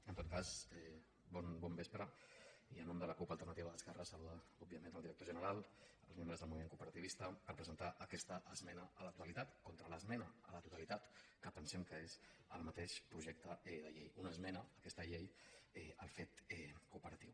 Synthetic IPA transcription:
ənt̪ot̪̚kazɛ | bɔnbɔmbespɾəiənɔmd̪ələkupəlˠt̪ərnət̪iβəðəskɛrəsəluðəubiəmenəlˠiɾək̚t̪oʒənəɾalˠ | ə̰lzmembɾəzðəlˠmuimeŋkupəɾət̪iβist̪əpəɾpɾəzənt̪aʔəkɛst̪əʔəzmɛnəələt̪u̥t̪əlit̪at̪kɔnt̪ɾələzmɛnəələt̪ut̪əlit̪at̪kəpənsɛmkəezə̰lˠmət̪eʃpɾuʒɛk̚t̪əɛðəʎḛjunəzmɛnəːkɛst̪əʎejɛəlˠfet̪ɛkupəɾət̪iw

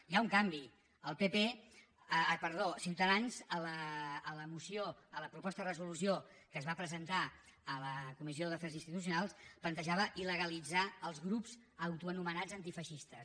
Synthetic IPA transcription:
jauŋkambi | əlˠpepe | pəɾðosiwt̪əðanzələːləmusioələpɾupɔst̪əðərəzulusiokəːzβapɾəzənt̪aələkumizioðəfɛzinst̪it̪us̬junalˠsplənt̪əʒaβəʔiləɣəlid͡zaəlˠzɣɾupz | əwt̪uənumənad͡zənt̪ifəʃist̪əs

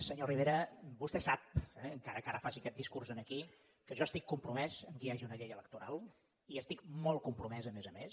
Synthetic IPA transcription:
səɲoriβeɾəbust̪ɛsap̚ɛəŋkaɾəkaɾəfasikɛt̪̚d̪iskurzənəki | kəʒɔst̪ikːumpɾumɛzəmkəaʒiunəʎejələk̚t̪uɾalˠ | iəst̪ik̚mɔlˠkumpɾumɛzəmezəmes

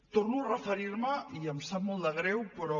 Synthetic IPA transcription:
t̪oɾnurəfeɾiɾməiɐmsamold̪ɐɣ̞ɾewpəɾɔ

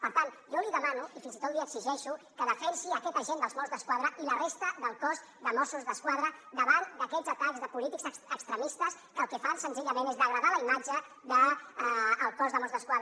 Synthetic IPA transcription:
pəɾt̪an | ʒɔliðəmanuifinzit̪ot̪liəɡziʒɛʃukəðəfɛnsiəkɛt̪əʒend̪əlˠzmɔzðəskwaðɾəilərest̪əðəlˠkɔz | d̪əmɔsuzðəskwaðɾəd̪əβand̪əkɛzət̪aɡzðəpulit̪iɡzəəkst̪ɾəmist̪əs | kəlˠkɛfansənziʎəmẽnezðəɣɾəðaləimad͡ʒə | ðəː | lˠkɔzðəmɔzðəskwaðə

